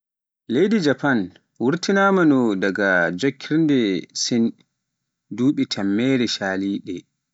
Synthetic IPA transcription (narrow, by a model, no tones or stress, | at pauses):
lejdid͡ʒapan | wuɾtinaːmanɔdaɡad͡ʒokʰːiɾndɛsin | duːɓitʰamːɛːɾɛʃaːliːɗɛ